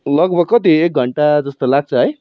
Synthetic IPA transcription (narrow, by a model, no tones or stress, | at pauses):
lʌɡbʱʌɡ̚kːʌt̪iek̚ɡʱʌɳʈad͡zʌst̪olaɡ̚t͡sʰʌɦʌj